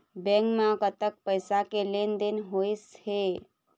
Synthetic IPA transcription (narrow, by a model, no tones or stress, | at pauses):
bẽŋkmãkət̪ək̚pəjsakelend̪inɦojshe